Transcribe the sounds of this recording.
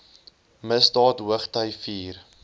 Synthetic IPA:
məsdɑːtɦuəχtœjfiːr

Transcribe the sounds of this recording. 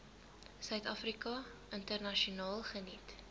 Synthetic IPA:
sœɥtɐfrikɐəntərnɐʃiunɑːlˠχənit

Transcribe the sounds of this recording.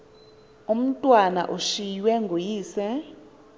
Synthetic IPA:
um̩tʼwana̰ʔuʃijwɛŋɡʱojiːsɛ

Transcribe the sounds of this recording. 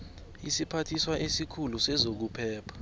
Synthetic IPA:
isipʰatʰiswaʔesikʰulusɛzok̬upʰɛːpʰḁ

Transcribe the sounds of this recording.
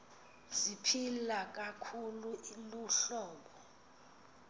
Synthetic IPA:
zipʰilak̬akʰuluʔiluɬɔːɓɔ

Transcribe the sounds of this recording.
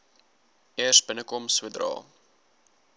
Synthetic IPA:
ɛərsbənəkɔmsədrɑ̰ː

